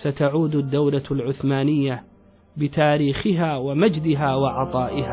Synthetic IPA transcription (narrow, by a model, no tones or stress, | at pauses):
sat̪aʕuːd̪ʊd̪ːawlalʕʊθmaːnɪjːa | bɪt̪aːɾiːxɪɦaːwamad͡ʒd̪ɪɦaːwɑʕɑt̪ˤɑːʔɪhaː